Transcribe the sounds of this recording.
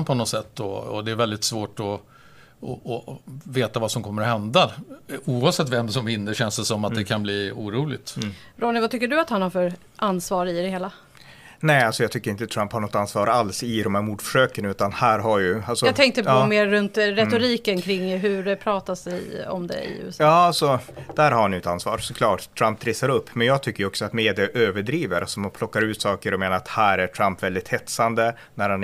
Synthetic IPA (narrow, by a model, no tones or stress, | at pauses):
pʰɔnɔt̪sɛt̪ːɔɔ̰d̪ɛːɾvɛld̪ɪt̪svoːʈɔ | ɔːveːt̪avasɔmkʰɔmːəɾɔɦɛnd̪auːavsɛt̪ːvɛmsɔmvɪnːəɕɛnsd̪ɛsɔmːat̪̚d̪ɛkʰanbliːuːɾuːlɪɡ̚t̪ɾɔnɪvat̪ʰʏkːəɖɵat̪hanhaɾfœɾ | ʔansvɑːɾɪd̪ɛheːla | nɛalsɔjɑɡt̪ʏkːəɾɪnt̪ət̪ʰɾamphaɳɔt̪ːansvɑːɾalsɪd̪ɔmhæːɾmuːɖfœ̥ʂøːkənʉ̟ːt̪anhæːɾɦaɾjɵalsɔɑɡt̪ʰɛŋk̚t̪əpɔmeːɾːɵnt̪ɾɛt̪ʊɾiːkənkʰɾɪŋːɦɵɖɛpʰɾɑːt̪asɛjɔ̰md̪ɛ̰ɪ̰ʉ̰ːɛsɑːalsɔd̪æɾhaɾanjɪt̪ansvɑ̰ːɾsɔkʰlɑːʈt̪ʰɾampɾeːsaɾɵpːmɛnjɑːɡ̚t̪ʰʏkːəjɔksɔat̪meːd̪ɪaʔøːvəɖɾiːvəɾʔalsɔmhanpʰlɔkːaɾʉ̟ːt̪sɑːkəɾɔmeːnaɾat̪hæːɾæʈʰɾampvɛld̪ɪt̪hɛt̪sand̪ə | næɾhan